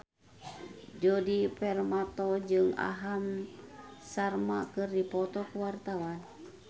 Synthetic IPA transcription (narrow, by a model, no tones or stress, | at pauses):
d͡ʒɔdipɛrmat̪ɔd͡ʒɨŋa̰ɦam | sarmakɨrdipɔt̪ɔkuwart̪awan